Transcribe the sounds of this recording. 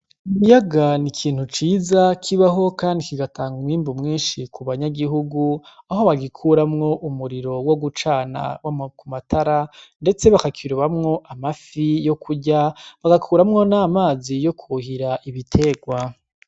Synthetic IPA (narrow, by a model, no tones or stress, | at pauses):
iβijaɡanikʰiːn̥hut͡ʃiːzakʰiβaɦo̞kaːndikiɡatʰaːŋɡumiːmbumŋiːnʃikuβaɲaɡiɦuɡuaɦo̞βaɡikʰuɾamŋo̞ʔumuɾiɾo̞wo̞ɡut͡ʃaːna̰wakumatʰaɾande̞t͡se̞βakakʰiɾuβamŋo̞ʔamafijo̞kʰuɟaβaɡakʰuːɾamŋo̞naːmaːzijo̞kʰuhiɾaʔiβitʰe̞ːɡwa